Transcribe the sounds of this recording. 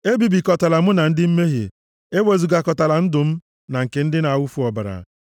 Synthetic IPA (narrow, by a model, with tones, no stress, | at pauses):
e˦bi˨bi˨kɔ˨ta˨la˨mʊ˦na˨n̩˦dɪ˦m̩˦me˦ɦḛ˨ | e˦we˨zu˨ɡa˨kɔ˨ta˨la˨n̩˦dʊ˨m̩˦ | na˨ŋ̩˨ke˨n̩˦dɪ˦na˨wu˦fu˨˦ɔ˨ba˨ɾa̰˨